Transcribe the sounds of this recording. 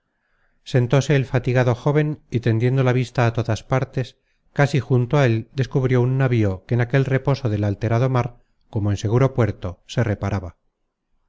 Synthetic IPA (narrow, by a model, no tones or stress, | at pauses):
se̞nt̪o̞se̞ːlfat̪iɣaðo̞xo̞β̞e̞nit̪e̞nd̪je̞nd̪olaβ̞ist̪aːt̪o̞ðaspaɾt̪e̞s | kasixunt̪oae̞ld̪e̞skuβɾjo̞unːaβio̞keːnake̞lre̞po̞so̞ðelalt̪e̞ɾaðo̞maɾ | ko̞moense̞ɣ̞uɾo̞pwe̞ɾt̪o̞se̞re̞paɾaβa